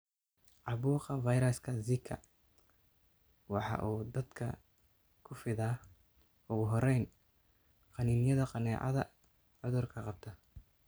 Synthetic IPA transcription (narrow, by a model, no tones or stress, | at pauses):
ʕɑβuːqɑvɑjɾɐskʰɐzɪkʰːɐ̰ | wɑħɑ̰ːʔuːd̪ɐd̪kʰɐ | kʰʊfɪða | ʔʊɣʊɦɔɾɛjn | qɑniːnjɐðɐqɑnɛːʕɑ̰ðɐ | ʕʊðʊrkʰɐqɑb̚t̪ʰɐ